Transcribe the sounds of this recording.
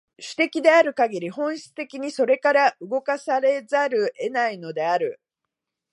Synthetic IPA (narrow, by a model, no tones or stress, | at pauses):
ɕɨ̥t̪e̞kʲid̪e̞aɾɯ̟kaɡʲiɾʲiɦõ̞ɰ̃ɕi̥t͡sɨ̥t̪e̞kʲiɲ̟iso̞ɾe̞kaɾaʔɯ̟ɡo̞kasaɾe̞zaɾɯ̟ʔe̞naino̞d̪e̞aɾɯ̟